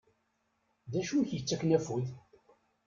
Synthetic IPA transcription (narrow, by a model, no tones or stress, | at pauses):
ðæʃunçjət͡sːæknæfuð